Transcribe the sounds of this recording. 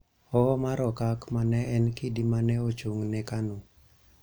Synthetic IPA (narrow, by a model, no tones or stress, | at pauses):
ɔmaɾɔkakmanɛʔɛnkidimanɛot͡ʃoŋnɛkanu